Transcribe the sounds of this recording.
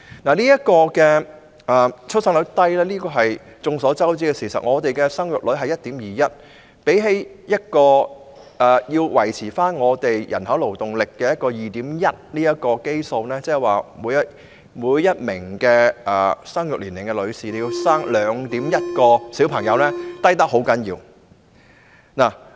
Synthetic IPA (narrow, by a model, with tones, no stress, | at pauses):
naː˨˩liː˥jɐ˥t̚kɔː˧kɛː˧ | ɛː˨t͡ʃʰɵ˥t̚sɐ˥ŋlɵ˨˧˥t̪ɐ˥jlɛː˥liː˥kɔː˧ɦɐ˨jt͡sʊ˨˧ŋsɔː˨˥t͡sɐ˥wt͡siː˥kɛ˧siː˨˩sɐ̰˨t̚ŋɔː˨˧t̪e˨jkɛ˧sɐ˥ŋjʊ˨t̚lɵ˨˧˥ɥɦɐ˨jɐ˥t̪̚iː˨˥mjiː˨jɐ˦˥t̚ | pe˨˥jɦe˥jjɐ˥t̚kɔː˧ | ʔɛː˨jiː˧wwɐ˨˩jt͡sʰiː˨˩faː˥nŋɔː˨˧t̪e˨jjɐ̰˨˩nhɐ˨˥wlo˨˩wt̪ʊ˨˩ŋlɪ˨kːɛː˧jɐ˥t̚kɔː˧jiː˨t̪iː˨˥mjɐ˦˥t̚liː˥jɐ˥tkɔː˧ke˥jso˧wnɛː˥t͡sɛː˥˩˨waː˨˩muː˨˥jɐ˥t | muː˨˧jːɐ˥t̚mɪ˨˩ŋkɛː˧ʔɛː˨sɐ˥ŋjʊ˨k̚liː˨˩nlɪ˨˩ŋkɛ˧lɵ˨˧ɥsiː˨t̪e˨jiː˧saː˥ŋlœː˨˥ŋt̪iː˨˥mjɐ˥t̚kɔː˧siː˨˥wpʰɐ˨˩ŋjɐ˨˧wlɛː˥t̪ɐ˥jt̪ɐ˥k̚ho˨˥wkɐ˨˥njḭː˧w | naː˨˩